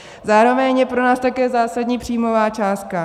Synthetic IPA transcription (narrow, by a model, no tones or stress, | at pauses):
zaːɾo̞vɛɲjɛpɾo̞naːst̪akɛːzaːsadɲiːpr̝̥iːmovaːt͡ʃaːst̪̚ka